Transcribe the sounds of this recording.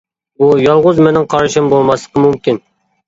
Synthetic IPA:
bujɑlˠʁʊzmenɪŋqʰɑɾʃɪmbolˠmɑslˠəqəmumkʲin

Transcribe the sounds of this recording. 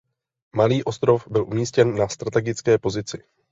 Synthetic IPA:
maliːʔo̞st̪ɾo̞fbɪlʔumiːscɛnːast̪ɾat̪ɛɡɪt͡skɛːpo̞zɪt͡sɪ

